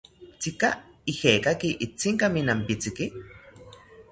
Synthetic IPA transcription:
t͡sika | ihekakiʔit͡siŋkaminampit͡siki

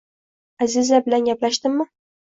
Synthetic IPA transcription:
azɪzabɪlanɡʲaplaʃt̪ɪmːɪ

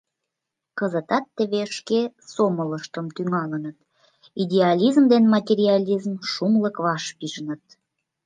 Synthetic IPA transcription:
kəzət̪ɑt̪ːəβeʃkesomələʃt̪əmt̪yŋɑlənət̪ | id̪ʲeɑlʲizmd̪enmɑt̪ʲeɾʲiɑlʲizmʃumləkβɑʃpiʒənət̪̚

